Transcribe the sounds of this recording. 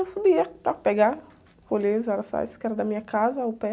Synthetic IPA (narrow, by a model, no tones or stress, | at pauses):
subiet̪akpeɡa | kolezaɾɐsa̰jsi̥kɛɾɐd̪ɐmĩɲɐkazɐwpɛ